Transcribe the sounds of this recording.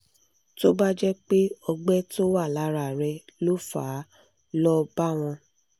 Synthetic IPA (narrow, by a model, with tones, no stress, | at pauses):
to˦ba˦d͡ʒɛ˦k͡pe˦ɔ˧ɡ͡bɛ˦to˦wa˦˨la˨˦ɾa˨ɾɛ˧lo˦fa̰ː˨˦ | lɔ˦ba˦˨w̃ɔ̃˧